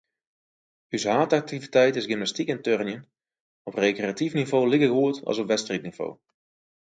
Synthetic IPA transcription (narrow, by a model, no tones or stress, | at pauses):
ysɦaːtak̚tivitɛjtɪsɡɪmnastikɪntørnjən | ɔprekreatifnivoːlɪɣəɣuətɑ̰lsɔpʋɛtstritniv̥o̰ː